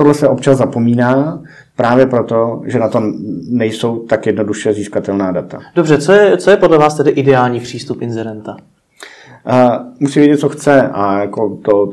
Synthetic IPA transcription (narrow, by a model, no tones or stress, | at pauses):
t̪odlɛsɛʔo̞p̚t͡ʃazzapo̞miːnaː | pɾaːvjɛpɾot̪o̞ʒɛnat̪o̞nɛjso̞wt̪akjɛdno̞duʃɛziːskat̪ɛlnaːdat̪a̰dobr̝ɛt͡sojɛt͡sojɛpodlɛvaːst̪ɛdɪʔɪdɛaːlɲiːpr̝̥iːst̪upɪnzɛɾɛnt̪a | musiːmvjɛɟɛt̪̚t͡soxt͡sɛʔajakot̪o